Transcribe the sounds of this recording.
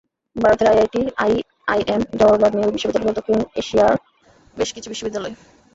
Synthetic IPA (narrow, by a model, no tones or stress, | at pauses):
bʱaɾot̪eɾajajʈiaj | ajʔemd͡ʑɔɾolabniobiʃːobid̪ːaleboɾt̪okuneʃiaɾ | beʃkit͡ɕʰubiʃːobid̪ːalɔe